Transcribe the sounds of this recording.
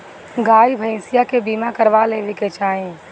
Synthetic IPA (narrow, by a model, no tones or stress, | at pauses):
ɡaːibʱə̃sɪjakebiːmakɐɾʋaleːʋeket͡ʃaːẽː